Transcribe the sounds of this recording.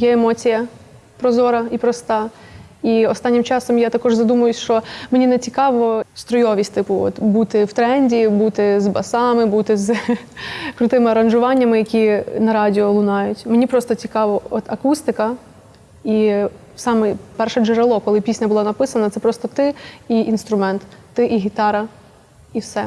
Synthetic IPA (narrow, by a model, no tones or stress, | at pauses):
jɛemɔt͡sʲijɐ | pɾɔzɔɾɐipɾɔst̪ɑiɔst̪ɑnʲːɪmt͡ʃɑsɔmjat̪ɐkɔʒzɐd̪umɐjʊsʲʃt͡ʃɔmenʲinɛt͡sʲikɑʋɔst̪ɾɔjɔʋʲisʲtʲt̪ɪpʊɔ̰t̪but̪ɪwt̪ɾɛnʲdʲibut̪ɪzbɐsɑmɪbut̪ɪz | kɾʊt̪ɪmɪɐɾɐnʒʊʋɑnʲːɐmɪjɐkʲinɐɾɑdʲiɔlˠʊnɑjʊtʲmenʲipɾɔst̪ɔt͡sʲikɑʋɔɔt̪ɐkust̪ɪkɐ | i | sɑmɛpɛrʃɛd͡ʒeɾɐlˠɔkɔlˠɪpʲisʲnʲɐbʊlˠɑnɐpɪsɐnɐt̪sɛpɾɔst̪ɔt̪ɪiʔinst̪ɾʊmɛnt̪ːɪʔiɦʲit̪ɑɾɐ | iwsɛ